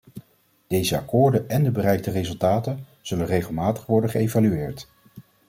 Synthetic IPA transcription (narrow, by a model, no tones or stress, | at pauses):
d̥ejzəakʊːɹdənɛndəbərɛjk̚tərezɵlˠtaːtən | z̥ɵlənrejχəlˠmaːtə̥χʋɔɹdəχəejvalyɪːɹt